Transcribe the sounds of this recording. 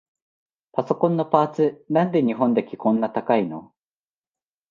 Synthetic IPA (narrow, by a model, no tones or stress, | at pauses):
paso̞kõ̞nːo̞paːt͡sɨnãnd̪e̞ɲ̟iɦõ̞nd̪e̞kʲi̥kõ̞nːat̪akaino̞̰